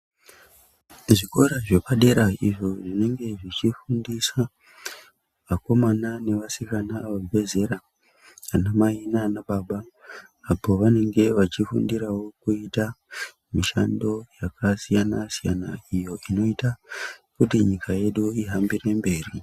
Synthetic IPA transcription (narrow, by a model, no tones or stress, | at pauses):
ʐiko̞ɾaʐe̞paɗe̞ɾaiʐo̞ʐine̞ŋɡe̞ʐit͡ʃifundisa | mako̞manane̞ʋasikanaːʋoʋe̞ze̞ɾa | anamainanaɓaɓaː | po̞ʋane̞ŋɡe̞ʋat͡ʃifṵndiɾawo̞kuita | miʃando̞jakʰasijanasijana̰ijo̞ʔino̞itakutiɲikaje̞ɗuiɦambire̞mbe̞ːri